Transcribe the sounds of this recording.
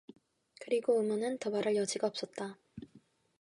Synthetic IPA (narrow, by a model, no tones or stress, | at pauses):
kɯɾiɡoɯmʌnɯntʌbaɾɯɭjʌd͡ʑiɡaʌp̚s͈ʌt̚t͈a